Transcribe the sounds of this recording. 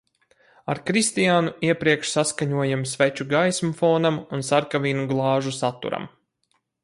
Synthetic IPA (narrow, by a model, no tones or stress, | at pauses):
aɾkɾist̪ijaːnuiɛpɾiɛkʃsaskaɲuɔjamsʋɛt͡ʃuɡajsmufoːnamunsaɾkaviːnuɡlˠɑːʒusat̪ːṵɾa̰m